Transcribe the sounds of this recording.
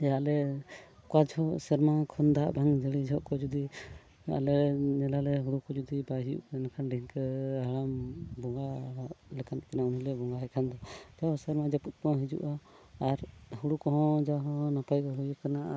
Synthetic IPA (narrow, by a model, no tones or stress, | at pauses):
jaʔlɛ | kwad͡ʒhɔsɛɾmakʰɔnd̪aʔbʱaŋd͡ʒəɽid͡ʒɔʔkɔd͡ʒud̪i | a̰lɛnɛlalɛɦuɽukɔd͡ʒud̪ibaɦijṵʔkɛnakʰanɖʱiŋkɛaɽambɔŋɡalɛkʰant̪kanaunilɛbɔŋɡaɦɛkʰand̪ɔd͡ʒawhɔsɛɾmad͡ʒaput̪̚ˀkɔɦid͡ʒṵʔaːɾhuɽukɔɦɔ̃d͡ʒaɦɔ̃napajɡɔɦujkanaʔa